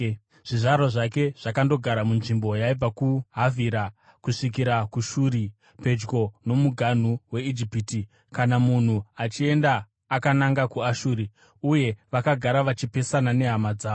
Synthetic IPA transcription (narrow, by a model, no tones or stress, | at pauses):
ʐ̥iʐaɾoʐake̞ʐ̥akando̞ɡʱaɾamunʐimbo̞jaib͡vakuɦavʱiɾa | kuʂik̬iɾakuʃuːɾi | pe̞d͡ʒɡo̞no̞muɡʱan̤uwe̞id͡ʒipiːti | kanamun̤uat͡ʃie̞ndaː | kanaŋɡakuaʃuːɾi | uje̞ʋakaɡʱaɾaʋat͡ʃipe̞sanane̞ɦamad͡zaːo